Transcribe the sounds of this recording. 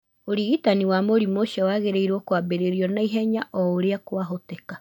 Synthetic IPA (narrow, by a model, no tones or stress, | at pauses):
oɾiɣitaniwamoɾimoʃɛwaɣeɾeiɾwɔkwabeɾeɾiɔnaiɦɛɲaʔɔoɾeakwaɦoteka